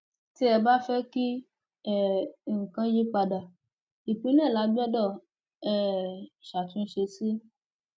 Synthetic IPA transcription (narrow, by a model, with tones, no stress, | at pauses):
ti˦ɛ˨ba˦fɛ˦ki˦ | ɛ˨ŋ̩˨kã˦d͡ʒi˦k͡pa˧da˨ | i˨pĩ˨˦nɛ̃˦˨la˨˦bi˦ɔ˦dɔ˦˨ | ɛ˨ʃa˨t̪ũ˧˦ʃe˧si˦